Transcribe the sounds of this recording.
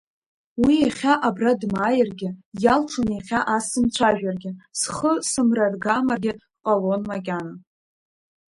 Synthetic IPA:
wijaχʲaʔabradmaːjɪrɡʲɪjalʈ͡ʂʰɨneχʲaʔasɨmt͡sʷʰaʒᶣarɡʲɪsχəsɨmrarɡamarɡʲɪ | qʼalonmakʲʼana

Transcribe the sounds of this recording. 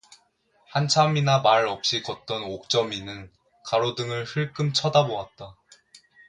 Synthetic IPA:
hant͡ɕʰaminamaɾʌp̚ɕ͈ikʌt̚t͈ʌnok̚t͡ɕ͈ʌminɯn | kaɾodɯŋɯɭhɯɭk͈ɯmt͡ɕʰʌdaboat̚t͈a

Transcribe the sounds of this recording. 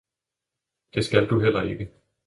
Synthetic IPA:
d̥e̝sɡ̥æld̥uɦel̰ɐe̝ɡ̥ə

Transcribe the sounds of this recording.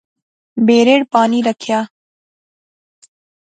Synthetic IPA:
beːɾeːɽpaːniɾɐkʰjaː

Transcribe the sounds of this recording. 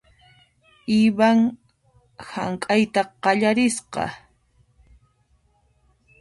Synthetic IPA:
ɪβaŋ | ha̰ŋkʼajt̪aqɑʎaɾɪsqɑ̰

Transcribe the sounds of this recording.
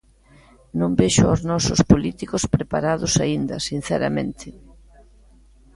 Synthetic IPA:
nõmbeʃʊa̰znɔsʊspolit̪ikospɾepa̰ɾaðʊsaind̪ɐ̰sin̟θɛɾa̰mḛ̃nt̪ʰɪ

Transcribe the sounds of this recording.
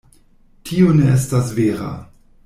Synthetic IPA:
tʰioneʔestasveːɾa̰

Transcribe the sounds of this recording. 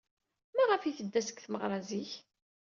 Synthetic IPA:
mæʁəfiθəd̪ːæsə̥kθməʁɾˤɑziç

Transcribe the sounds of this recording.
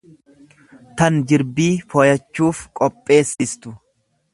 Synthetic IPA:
t̪ɐnd͡ʒɪɾbiːfɔjɐt͡ʃːuːfkʼɔpʼːe̞ːsɪst̪ʊ

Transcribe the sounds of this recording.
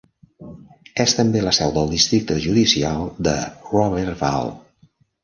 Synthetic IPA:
ɛst̪əmbeləsɛwðəlˠd̪ist̪ɾik̚t̪əʒuðisialˠd̪ə̰rɔβɛɾva̰lˠ

